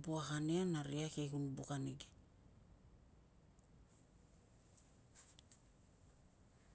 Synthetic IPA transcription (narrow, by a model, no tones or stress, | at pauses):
buaɣaneanaɾiakeɡunubukaneɡe